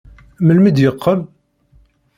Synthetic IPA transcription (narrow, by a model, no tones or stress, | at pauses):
məlməd̪jəqʰːəm